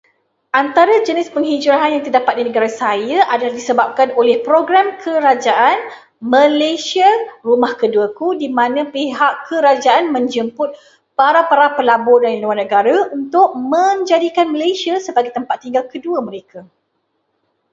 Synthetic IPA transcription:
ʔant̪aɾad͡ʒənɪspəŋɦid͡ʒuɾaɦanjaŋt̪ərdapat̪̚dinəɡaɾasajaʔadalahdisəbap̚kanolɛhpɾoɡɾamkʰəɾad͡ʒaʔan | mə̃lasiarumahkəduakudimãnãpeɦakːəɾad͡ʒaʔanmə̃ɲd͡ʒəmpʊt̪̚ | paɾapaɾapəlabɔdanluwarnə̃ɡaɾaunt̪ʊʔ̚mə̃ɲd͡ʒadikanməlajsiasəbaɡajt̪əmpat̪ːiŋɡalkəduamə̃ɾeka

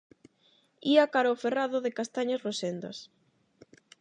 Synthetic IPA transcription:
iakaɾaoferaðoðekast̪aɲasrosend̪ɐ̰s

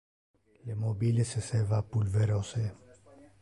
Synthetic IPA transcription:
lemobilesesevapulveɾose

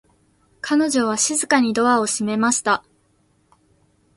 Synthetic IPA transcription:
kʰano̞ʑo̞β̞aɕizɨkaɲ̟id̪o̞βao̞ɕime̞maɕi̥t̪a

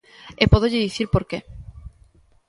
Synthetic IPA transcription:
epoðoʎɪðiθiɾpoɾke

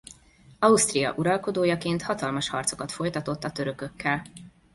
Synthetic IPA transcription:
ɒust̪rijɒ̰ʔuɾɒlko̞d̪oːjɒkeːnt̪hɒt̪ɒlmɒʃhɒrt̪so̞̥kɒt̪fo̞jt̪ɒt̪o̞t̪ːɒt̪øɾøkø̞kːɛl

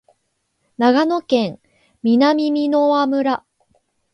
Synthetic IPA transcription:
naɡano̞kẽ̞ŋ | mʲinamʲimʲinoβamɯ̟ɾa

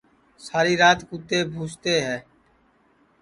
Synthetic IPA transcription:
saːɾiːɾaːt̪kuːt̪eːbʱuːt͡ʃt̪eːɦɛː

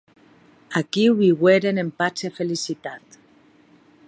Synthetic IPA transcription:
akiwβiɣweɾene̞mpat͡ʃefe̞lisit̪at̪

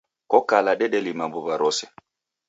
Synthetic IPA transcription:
kɔkalaɗɛɗɛlimambɔβaɾɔsɛ

